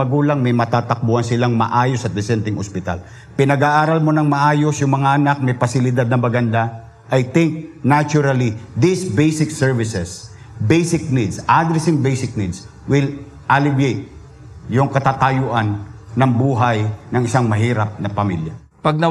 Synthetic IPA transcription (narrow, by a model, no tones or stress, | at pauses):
ɐɡuːlaŋmɐjmɐt̪aːt̪ɐk̚buʔɐnsɪlaŋmɐ̰ʔaːjosɐt̪̚d̪ɪsɛnt̪ɪŋʔospɪt̪a̰l | pɪnɐɡaːʔaːɾalmonɐŋmɐʔaːjosjʊŋmɐŋaʔɐnak̚mɐjpɐsɪlɪd̪ad̪̚nɐmɐɡɐnd̪a | ʔɐjt̪ɪŋk̚nat͡ʃʊɾɐlid̪ɪsbejsɪksɛɹvɪsɛs | bɛjsɪk̚nid̪sʔad̪ɾɛsɪŋbɛjsɪk̚nid̪s | wɪl | ʔalɪbjejt̪̚ | jʊŋkɐt̪aːt̪ajʊʔanːɐŋbuːɦajnɐŋɪsaŋmɐɦiːɾap̚nɐpɐmḭlja | pɐɡ̚nɐ